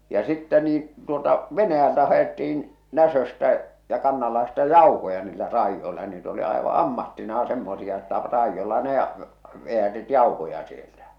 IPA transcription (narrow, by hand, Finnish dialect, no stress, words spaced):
jɑ sitːɛ niːn̞ tuoltɑ ʋenæjæltæ hɑetːiin næsøstæ jɑ kɑnːɑlːɑhestɑ jɑuhojɑ niːlːæ rɑijːoilɑ niːt oli ɑeʋɑ ɑmːɑtːinɑː semːosiɑ etːæ rɑijːolːɑ ne ɑ ʋeætit jɑuhojɑ sieltæ